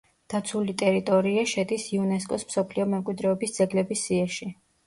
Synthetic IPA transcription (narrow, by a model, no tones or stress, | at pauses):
d̪̥at̪sʰulit̪ʼɛɾit̪ʼɔɾiaʃɛd̪isiunɛs̬kʼɔsmsɔpʰliɔmɛmkʼwid̪ɾɛɔbisd̪z̥ɛɡlɛbisːiaʃi